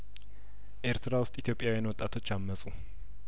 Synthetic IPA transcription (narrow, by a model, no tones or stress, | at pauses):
ʔeɾt̪ʰɾawʊst̪ʼit̪ijo̞pʼjawjanwɔt̪ʼːat̪ʰo̞t͡ʃːamːəsʼu